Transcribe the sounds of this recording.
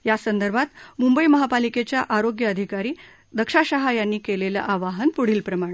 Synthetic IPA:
jasənd̪əɾbʱat̪mumbəiməɦapaliket͡ɕjaʔaɾoɡjəəd̪ʱikaɾiː | d̪əkʂaɕəɦajanːiːkelelə̰ʔaʋaɦənpuɽ̤iːlpɾəmaɳ̃

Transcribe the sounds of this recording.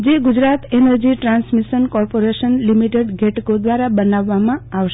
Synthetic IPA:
d͡ʒeɡud͡ʒɾat̪enəɾd͡ʒiʈɾãnsmiʃənkɔɾpoɾeʃənlimiʈeɖɡʱeʈkod̪ʋaɾabənaʋːamãaʋʃ

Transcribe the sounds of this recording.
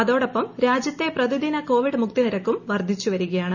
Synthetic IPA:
ɐðo̞ːɽɐpːɐmɾaːd͡ʑjɐt̪ːe̞prɐðuðinɐko̞ːʋiɖɨmuk̚t̪iniɾɐkːumʋɐrd̪ʱit͡ɕːuʋɐɾuɣɐjaːɳɨ

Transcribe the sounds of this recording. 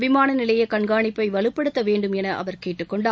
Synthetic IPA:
ʋɪmaːnɐnɪlɐjɐkɐɳɡaːɳɪpːɐɪʋɐɭɯpːɐɽɯt̪ːɐʋeːɳɖɯmɛnɐʔɐ̰ʋɐɾkeːʈːɯkːɔɳɖ

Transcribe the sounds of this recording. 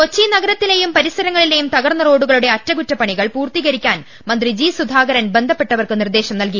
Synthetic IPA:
ko̞t͡ɕːinɐɡɐɾɐt̪ːile̞jumpɐɾisɐɾɐŋːɐɭile̞jumt̪ɐɣɐrnːɐro̞ːɽuɣɐɭuɽe̞ɐtɾɐɡutːɐpːɐɳiɣɐɭpuːrt̪iɣɐɾikʲːaːn | mɐnd̪rid͡ʑiːsud̪ʱaːɡɐɾɐnbe̞nd̪ʱɐpːe̞ʈːɐʋɐrkɨnird̪e̞ːɕɐmnɐlki

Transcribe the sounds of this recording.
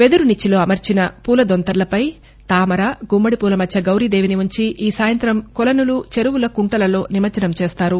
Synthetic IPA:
ʋe̞d̪uɾunit͡ʃːilo̞ːɐmɐɾt͡ʃinɐpuːlɐd̪ont̪ɐɾlɐpɐj | t̪aːmɐɾaːɡumbɐɽipuːlɐmɐt͡ʃʰːɐɡɐwɾid̪eːʋiniʋuɲt͡ʃiʔiːsaːjɐnt̪ɾɐmkɔlɐnulut͡ʃe̞ɾuwulɐkuɳʈɐlɐlo̞ːnimɐɾt͡ʃɐnɐmt͡ʃeːst̪aːɾu

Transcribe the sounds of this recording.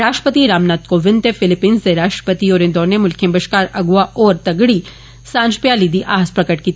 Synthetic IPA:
ɾaːʃʈə̥pət̪iɾaːmnaːt̪̚koʋɪ̃nt̪efɪlɪpiːnzd̪eɾaːʃʈɾə̥pət̪iɔːɾẽnd̪ɔːnemʊlkʰẽmbəʃkaːɾɐɡʋaʔɔːɾt̪ɐɡɽi | sãːnd͡ʒpjaːlid̪iʔaːɦspɾɐkəʈkiːt̪

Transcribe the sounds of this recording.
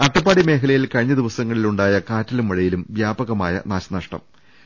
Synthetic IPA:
ɐʈːɐpːaːɽime̞ːkɐlɐjilkɐɻiɲːɐd̪iʋɐsɐŋːɐɭiluɳɖaːjɐkaːtːilumʋɐɻɐjilumʋjaːbɐɣɐmaːjɐ̰naːɕɐnɐʂʈɐ̰m

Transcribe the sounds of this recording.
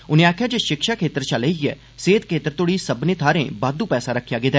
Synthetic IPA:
ʊnẽːaːkʰjaːd͡ʒeːʃɪkʃakʰeːt̪əɾt͡ʃəleiɛ̰ː | seːt̪̚kʰeːt̪əɾt̪oɽiːsəbnẽːt̪ʰaːɾḛ̃ːbaːd̪uːpɛːsaɾəkʰːjaːɡeːd̪ɛː

